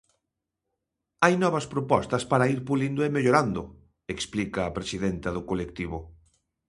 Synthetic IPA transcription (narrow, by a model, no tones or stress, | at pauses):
ajnɔβɐspɾopɔst̪ɐspaɾɐiɾpulind̪ʊemeʎoɾand̪ʊ | eksplikɐːpɾesiðent̪ɐðʊkolekt̪iβ̞ʊ